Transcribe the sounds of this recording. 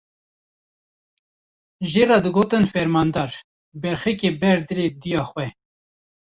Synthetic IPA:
ʒeːrɑːd̪ɨɡoːt̪ɨnfɛɾmɑːnd̪ɑːɾ | bɛɾxɛkeːbɛɾd̪ɨɾed̪ijɑːxwɛ

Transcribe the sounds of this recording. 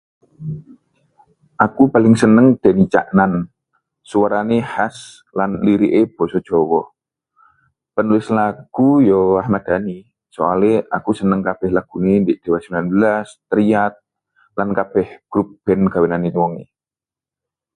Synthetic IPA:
ʔakupalɪŋsənəŋd̥anit͡ʃa̰ʔnan | suaɾanehas | lanliɾiʔeb̥ɔsɔ̥d͡ʒ̥ɔwɔ | pənulɪslaɡ̥ujɔahmad̪̥ani | sɔaleakusənəŋkab̥ɛhlaɡ̥unendɪʔd̥ewasəmbilanbəlast̪əɾiat̪̚ | lankab̥ɛhɡ̥ɾup̚b̥ɛnɡ̥awenanit̪uwɔŋḛ

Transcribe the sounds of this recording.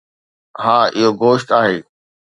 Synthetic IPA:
ɦaːɪɦoɡoːʃʈaːɦeː

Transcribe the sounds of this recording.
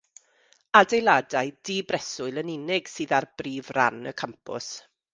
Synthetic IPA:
adejlˠadaɨd̥iːbrɛsʊɨlˠənɪnɪɡ̥sɨːðarbriːvra̰nə̰kʰampʰʊ̰s

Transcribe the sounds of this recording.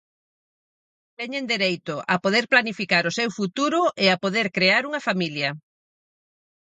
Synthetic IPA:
t̪ɛɲend̪eɾejt̪ʊʔapoðeɾplanifikaɾʊsewfut̪uɾʊʔeapoðeɾkɾeaɾuŋɐfamiljɐ

